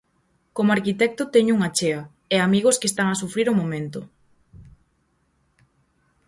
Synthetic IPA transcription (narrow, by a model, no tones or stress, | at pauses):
komoaɾkit̪ɛk̚t̪ʊt̪ɛɲʊuŋat͡ʃeɐ | ɛamiɣoskest̪aŋasufɾiɾʊmomẽnt̪ʊ